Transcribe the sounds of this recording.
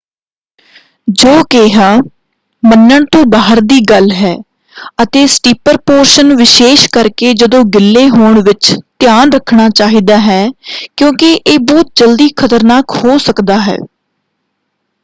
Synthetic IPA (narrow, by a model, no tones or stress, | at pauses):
d͡ʒoːkeːɦaː | mənːəɳt̪õːbaːɦəɾd̪iːɡəlɦɛː | ət̪eːsʈiːpəɾpoːɾʃənʋɪʃeːʃkəɾkeːd͡ʒəd̪õːɡɪlːeːɦoːɳʋɪt͡ʃt̪ɪjaːnɾəkʰɳaːt͡ʃaːɦiːd̪aːɦɛːkjõːkɪʔeːbɔːt̪̚d͡ʒəld̪iːkʰət̪əɾnaːkhoːsəkd̪aːɦɛ̰ː